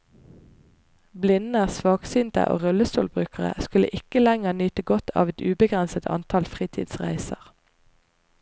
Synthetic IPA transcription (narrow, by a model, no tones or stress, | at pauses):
blɪnəʁsʋɑːksyːnt̪ə̰ʔo̰ːʁʉləst̪oːlbʁʉːkəʁə̰skʉlə̰ʔɪkəlæŋəʁnyːt̪əɡɔt̪ʰɑ̰ːʋɛt̪ʉːbəɡʁɛnsət̪ʰɑ̰nt̪ʰɑlfʁiːt̪ʰḭːd̪sʁæ̰ɪsəʁ